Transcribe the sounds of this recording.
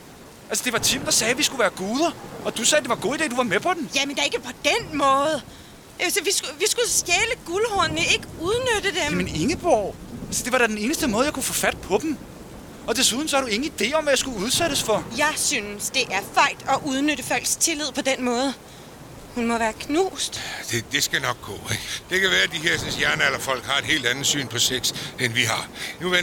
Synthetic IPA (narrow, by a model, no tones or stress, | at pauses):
ʔælsəd̥e̝ʋɑ̈t͡sʰimd̥ɑ̈sɛːʋisɡ̥uʋæːɐɡ̥oːð̞ˠɐɒ̽d̥usɛːd̥e̝ʋɑ̈ɡ̥o̝̰ːidḛːd̥uʋɑ̈mepʰɒ̽d̥emjæmend̥ee̝ɡ̥əpʰɒ̽d̥enmɔ̽ːð̩ˠ | esəʋisɡ̥uʋisɡ̥usɡ̥ɛːləɡ̥ulhɔɐnnəe̝ɡ̥əuð̞ˠnød̥əd̥emmene̝ŋəb̥ɒʊælsəd̥e̝ʋɑ̈ɾæd̥ene̝ːnəsd̥əmɔːðˠjɑ̈ɪkʰufɔfæd̥̚pʰɒ̽d̥m̩ | ɒ̽d̥e̝suð̞ˠn̩sɒhɑɾue̝ŋn̩id̥e̝̰ːɒ̽mʋæjɑ̈sɡ̥uuð̞ˠseɾ̥əsfɒ̽jɑ̈ɪsynəsd̥e̝ʔæɐfɑ̈ɪ̰d̥ɒ̽ʔuð̞ˠnøɾəfæl̰ɡ̥st͡sʰe̝lið̰ˠpʰɒ̽d̥enmɔ̽ːð̞ˠə | hunmɒ̽ʋæːɐkʰnṵːsd̥d̥ed̥e̝sɡ̥ænɒ̽ɡ̥̚ɡ̥ɔ̰ːeɡ̥d̥e̝kʰæʋæːɐd̥iɦeɐ̰synsjæɐnɐelɐfɒ̽l̰ɡ̥hɑ̈e̝d̥ɦe̝ːld̥ænð̩ˠsy̰ːnpʰɒ̽seɡ̥senʋiɦɑ̈nuʋe